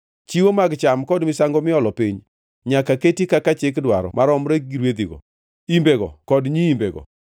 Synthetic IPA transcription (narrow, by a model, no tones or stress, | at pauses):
t͡ʃiwomaɡt͡ʃamkɔdmɪsaŋɡɔmɪɔlɔpiɲ | ɲakaketikakat͡ʃɪkdwaɾɔ̰mʔaɾɔmɾeɡiɾwed̪iɡɔ̰ | imbeɡɔ̰kɔdɲiːmbeɡɔ̰